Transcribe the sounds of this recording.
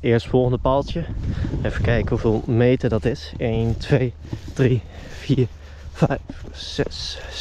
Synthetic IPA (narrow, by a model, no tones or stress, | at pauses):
ɪːɹstfɔlˠχəndəpɑlˠtjəefəkɛjkəhɦuveːlˠmejtədɑtɪsejntʋej | d̥riv̥iːɹ | v̥ɛjfːɛs